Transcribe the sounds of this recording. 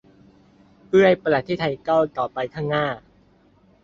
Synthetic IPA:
pɯ˥˩əjpa˧la˨˩t̪̚ʰːiː˥˩t̪ʰa˧jka˥˩wt̪ɔː˨˩pa˧jkʰaː˥˩ŋnaː˥˩

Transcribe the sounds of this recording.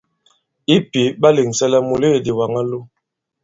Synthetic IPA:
i˦pi˨˦ba˦li˨ŋsɛ˦lɛ˦mu˨le˦˨di˨wa˨ŋa˦lu˦

